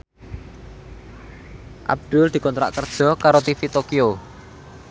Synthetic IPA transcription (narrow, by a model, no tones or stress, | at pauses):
ʔa̰b̚d̪̥ʊ̤ld̪̥i̤kɔnt̪ɾa̰ʔkərd̥ʒ̥ɔ̤kaɾot̪ifit̪okio